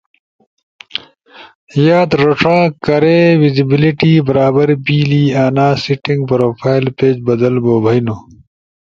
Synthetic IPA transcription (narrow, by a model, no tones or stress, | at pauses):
jaːd̪ɾoʈ͡ʂʰãːkɐɾeːwizibiliʈiːbɐɾaːbɐɾbiːliːaːnaːsiʈiŋɡpɾoːfʰaːilpeːd͡ʑbɐd̪ɐlboːbʱɐjno